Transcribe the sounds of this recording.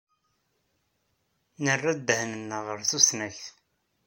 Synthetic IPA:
nərːad̪əhnənːəʁəɾθusnæçθ

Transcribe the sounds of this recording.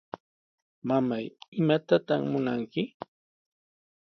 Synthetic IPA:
mamajɪmat̪at̪aχmʊnaŋkɪ

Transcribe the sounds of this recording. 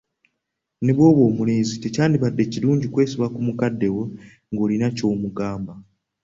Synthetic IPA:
ne̞βo̞ːβwo̞ːmuleːzite̞caːndiβadːe̞ciluːɲɟikwe̞ːsiβakumukadːe̞wo̞ | ŋɡo̞ːlinaco̞ːmuɡaːmba

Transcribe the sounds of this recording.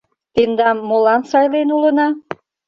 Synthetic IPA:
t̪end̪ɑmːolɑnsɑjlenulənɑ

